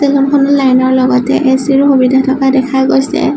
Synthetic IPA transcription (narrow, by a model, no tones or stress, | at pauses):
telɔnkʰɔnɔlajnɔɹlɔɡɔtɛʔesiɹxubidʱatʰɔkadɛkʰaɡojsɛ̰